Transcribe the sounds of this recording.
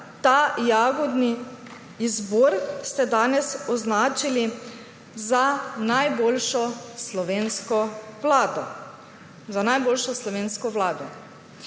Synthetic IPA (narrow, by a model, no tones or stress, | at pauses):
t̪aːjaːɡɔd̪niː | zbɔːɾst̪ɛd̪aːnɛsɔznaːt͡ʃili | zanajboːlʃɔslɔʋeːnskɔʋlaːd̪ɔ | zanajboːlʃɔslɔʋeːnskɔʋlaːd̪ɔ